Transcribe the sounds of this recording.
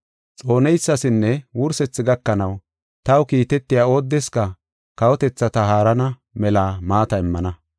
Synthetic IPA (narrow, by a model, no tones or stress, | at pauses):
t͡sʼo̞ːnɛjsːɐsɪnːɛwʊɾsɛt͡sːɪɡɐkːɐnɐw | t̪ɐwkiːt̪ɛt̪ːɪjaːo̞ːd̪ːɛskɐ | kɐwɔt̪ɛt͡sːɐt̪ɐɦaːɾɐnɐ | mɛlaːmaːt̪ɐɪmːɐnɐ